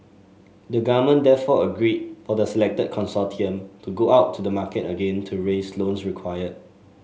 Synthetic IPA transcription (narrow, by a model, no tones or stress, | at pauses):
dəɡamə̃ndɛfɔəɡɹid̚fɔdəsɛlɛk̚təd̚kʰɔ̃nsɔtʰiə̃mtuɡoaʊtʰːudəmakɛtəɡẽntʰuɹeslõnsɹikʰwajəd̚